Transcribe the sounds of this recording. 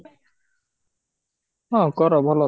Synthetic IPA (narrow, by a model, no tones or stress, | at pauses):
ɔ̃kɔɾɔbʱɔlɔ